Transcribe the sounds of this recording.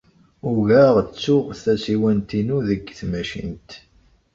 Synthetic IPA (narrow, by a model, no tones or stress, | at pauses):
ʊʝæʁt͡sːʊʁθæsiwænt̪inuðəɡːθmæʃḭnt̪